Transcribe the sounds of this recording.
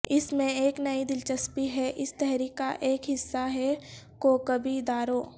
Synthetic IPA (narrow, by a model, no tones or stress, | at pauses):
ɪsmẽeːknɐid̪ɪlt͡ʃəspiɦɛʔɪst̪ɛɦɾiːkːa̰ʔeːkɦɪsːaɦɛ | kokɐbʱid̪aːɾoː